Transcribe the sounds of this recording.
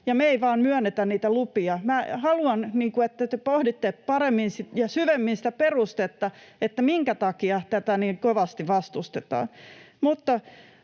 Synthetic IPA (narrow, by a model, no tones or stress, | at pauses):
jɑmeiʋɑːnmyænːet̪ænniːt̪ælupiɑmæhɑluɑnniːŋkuet̪ːæt̪epohdit̪ːeppɑremːinsijɑsyʋemːinsi̥t̪æperust̪et̪ːɑet̪ːæmiŋkæt̪ɑkiɑt̪æt̪æniːŋkoʋɑst̪iʋɑst̪ust̪et̪ɑ̰ːn | mut̪ːɑ